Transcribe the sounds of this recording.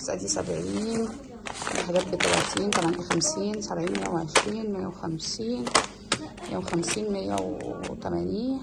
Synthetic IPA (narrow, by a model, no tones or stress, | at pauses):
esʔæ̰d̪iːsæ̰bʕiːn | lʔħd̪æːt̪̚bet̪ælæ̰t̪ʰiːnt̪æmænixæmsiːnsæbʕiːnmejːæweʕeʃɾiːnmejːæwexæmsiːn | mejːæwexæmsiːnmejːæ̰wet̪æmæniːn